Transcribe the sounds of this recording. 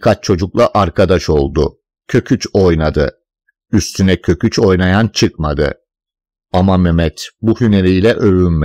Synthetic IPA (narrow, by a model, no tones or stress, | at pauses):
kʰat͡ʃt͡ʃʰo̞d͡ʒuklˠaʔaɾkʰad̪aʃo̞lˠd̪ʊ̰ | cʰø̞cʲʰyt͡ʃo̞jnad̪ɯ̰ | yst̪ʰynɛcʰø̞cʰyt͡ʃo̞jnajant͡ʃʰɯkmad̪ɯ̰ | amamemɛt̪buhyneɾijlʲɛʔøvynme